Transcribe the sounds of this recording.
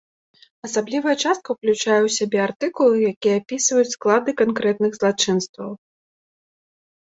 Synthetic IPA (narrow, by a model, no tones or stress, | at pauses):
ɐsablʲivɐjɐt͡ʂast̪̚kɐwklʲut͡ʂajɛwsʲabʲɛart̪ɨkulˠɨjakʲijɛapʲisvɐjut͡sʲsklˠad̪ɨkankɾɛt̪̚nɨɣzlˠat͡ʂɨnst̪vɐw